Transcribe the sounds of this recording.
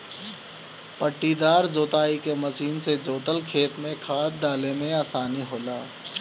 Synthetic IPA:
pəʈːid̪aːɾd͡ʒoːt̪aːikemɐʃiːnsed͡ʒoːt̪əlkʰeːt̪mẽkʰaːt̪̚ɖaːlemẽaːsaːniɦoːlaː

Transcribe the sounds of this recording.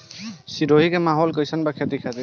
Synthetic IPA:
siɾoɦikɛmaɦɔlkɔjsanbakʰet̪ikʰad̪i

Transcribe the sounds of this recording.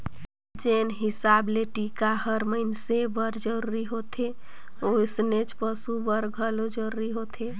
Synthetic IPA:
d͡ʒenɦisableʈikaɦəɾməɪnsebəɾd͡ʒəɾuɾiɦot̪ʰe | osnet͡ʃpəsubəɾɡʱəlod͡ʒəɾuɾiɦot̪ʰe

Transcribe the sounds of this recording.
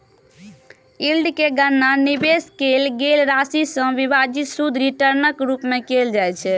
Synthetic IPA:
ilɖkeɡənːanibeskelɡelɾasisə̃bibad͡ʒisud̪ʱɾiʈəɾnəkɾupmekeld͡ʒajt͡ʃʰɛ

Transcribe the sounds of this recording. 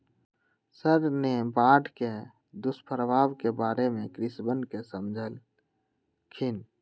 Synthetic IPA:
səɾnebaːʈʰke | d̪ʊspʰəɾʋaːbkebaːɾemẽkɾɪsbənkesəmd͡ʒʱəl | kʰɪn

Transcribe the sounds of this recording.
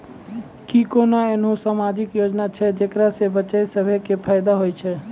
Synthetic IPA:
kikonaenɦõsamad͡ʒɪkjod͡ʒnat͡ʃʰɛd͡ʒekɾasebət͡ʃajsəbʱekepʰajd̪aɦojt͡ʃʰɛ

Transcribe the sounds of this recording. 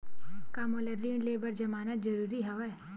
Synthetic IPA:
kamoleɾːĩːɳleːbəɾd͡ʒɐmaːnət̪d͡ʒɐɾuːɾiɦɐʋɛ

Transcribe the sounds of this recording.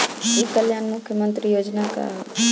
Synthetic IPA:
iːkəljaːnmʊkʰjəmə̃nt̪ɾijoːd͡ʒnaka̰

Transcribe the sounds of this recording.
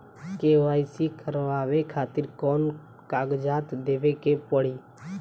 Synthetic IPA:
keːʋaːɪsikəɾʋaːʋekʰaːt̪ɪɾkɔːn | kaːɡd͡ʒaːt̪d̪eːʋeːkeːpəɽiː

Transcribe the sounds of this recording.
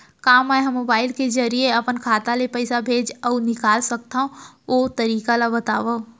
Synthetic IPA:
kaːmːɛ̃ɦmobaːɪlked͡ʒɐɾieɐpənkʰaːt̪alepɛɪsabʱeːd͡ʒɔːnɪkaːlsɐk̚t̪aɦũoːt̪ɐɾiːkalabɐt̪aːʋo

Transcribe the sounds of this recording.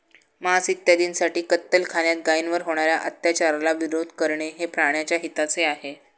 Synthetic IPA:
məɦasit̪jad̪iːnsaʈiːkət̪ːəlkʰaljat̪̚ɡainʋəɾɦoɽ̃aɾjaʔət̪jat͡ɕaɾalaʋiɾod̪ʱkəɾɳeɦepɾaɳ̃jat͡ɕjaɦit̪at͡seaɦe

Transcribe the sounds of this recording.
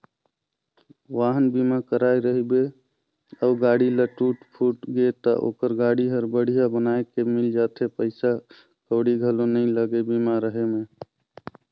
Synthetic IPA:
ʋaːɦənbimakəɾaːeɾəɦibe | əʊɡaːɽiləʈuːʈpʰuːʈɡet̪ə̰ʔo̰ːkəɾɡaːɽiɦəɾbəɽ̤ijabənaekemɪld͡ʒat̪ʰepəɪsa | kəɽiɡʱəlonəĩləɡebimaɾəɦemẽ

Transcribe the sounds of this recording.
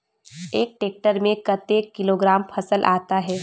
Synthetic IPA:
eːk̚ʈeːk̚ʈəɾmẽkɐt̪eːkːɪloːɡɾaːmpʰɐsəlʔa̰ːt̪aɦɛː

